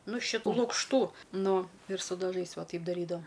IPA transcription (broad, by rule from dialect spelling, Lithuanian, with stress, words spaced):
nʊ ʃʲɪˈtuː lˠʊkʃˈtuː ˈnʊ ɪr sʊ dɐˈʒɐɪs ˈʋɐ ˈtɐɪp dɐˈrʲiːdɐʋoː